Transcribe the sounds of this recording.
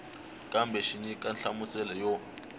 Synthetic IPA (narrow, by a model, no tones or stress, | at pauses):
kʼambʱɛʃiɲikʼanɬamusɛlɛjɔ